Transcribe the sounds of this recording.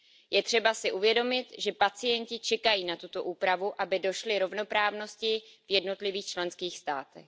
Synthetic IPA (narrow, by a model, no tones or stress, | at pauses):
jɛt̪r̝̥ɛbasɪʔuvjɛdo̞mɪt̪ʒɛpat͡sɪjɛɲcɪt͡ʃɛkajiːnat̪ut̪o̞ʔuːpɾavuʔabɪdo̞ʃlɪɾo̞vno̞pɾaːvno̞scɪvjɛdno̞t̪lɪviːxt͡ʃlɛnskiːxst̪aːt̪ɛ̰x